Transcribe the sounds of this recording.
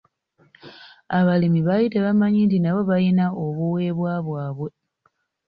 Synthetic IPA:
aβalimiβajiteβamaɲiːntinaβo̞βajinao̞βuwe̞ːβwaːβwaːβwe̞

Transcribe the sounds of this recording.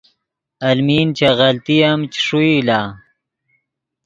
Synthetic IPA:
ɐlmiːnt͡ɕaɣɐlt̪ijɐmt͡ɕi̥ʂuilaː

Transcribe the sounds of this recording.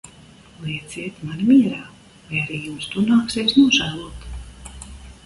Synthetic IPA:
lˠɛɛt̪zeːt̪manmʲiɛɾaː | vajaɾiːjumst̪unaːksɛjsnuɔʒæːlˠuɔt̪

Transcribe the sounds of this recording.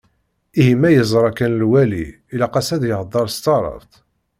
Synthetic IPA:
ihimæjəzˤɾˤɑkːænlwæliː | læqɑsæðjəʁd̪ˤːɑɾˤst̪ɑɾˤə̰vt̪

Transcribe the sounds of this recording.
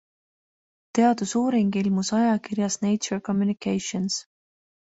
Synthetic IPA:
t̪e̞ɑd̪̥usuːɾiŋɡ̥ilmusɑjɑkirjɑsnejt͡ʃorko̞mjunikejʃons

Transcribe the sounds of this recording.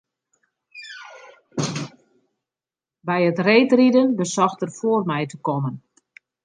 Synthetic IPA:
bɛjətreːtridənbəsɔxtərfoərmɛjtəkɔmən

